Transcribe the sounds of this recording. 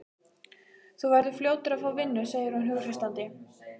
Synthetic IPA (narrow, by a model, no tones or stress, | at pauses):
θuvɛɾðʏfljoːwt̪ʏɾaðfaːwvɪnːʏseːjɪɾ̥hunɦʏɣr̥ɛst̪ant̪ɪ